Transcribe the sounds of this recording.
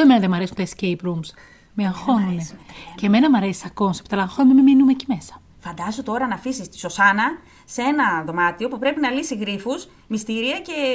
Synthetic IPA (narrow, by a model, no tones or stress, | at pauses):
emenɐðemɐɾe̞sunt̪oescejpɾums | meɐŋxo̞nune̞ceme̞nɐmɐɾe̞si̥sɐko̞nsept̪ɐlɐŋxonumememinumecime̞sɐ̥ | fɐnd̪ɐzot̪o̞ɾɐnɐfisist̪i̥so̞sɐnɐ | seenɐðo̞mɐt̪io̞pupɾe̞pinɐlisiɣɾifus | mist̪iɾiɐce̞